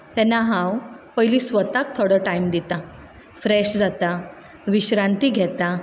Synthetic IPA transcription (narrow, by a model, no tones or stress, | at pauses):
t̪ɛ̃nːaɦãwpəjliːsʋət̪ak̚t̪ʰɔɽəʈajmd̪it̪a | fɾɛɕd͡zat̪a | ʋiɕɾãnt̪iːɡʱɛt̪a